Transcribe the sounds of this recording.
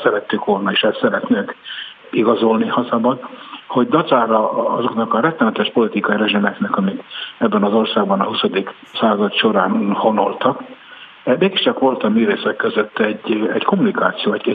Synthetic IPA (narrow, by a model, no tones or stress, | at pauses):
sɛɾɛt̪ːykʋo̞lnɒeːʃɛst̪sɛɾɛt̪neːk | iɡɒzo̞lnihɒzɒbɒd̪ho̞ɟd̪ɒzaːɾɒɒzo̞knɒkɒɾɛt̪t̪ːɛnɛt̪ɛʃpo̞lit̪ikɒiɾɛʒimɛknɛkɒmit̪ɛbːɛnɒzo̞rsaːɡ̚bɒnɒhusɒd̪ik | saːzɒt̪ʃo̞ɾaːnho̞nolt̪ɒk | beːkiʃt͡ʃɒkʋo̞lt̪ɒmyːɾeːsɛkːøzøt̪ːɛɟːɛɟko̞munikaːt̪sijoːɛckeː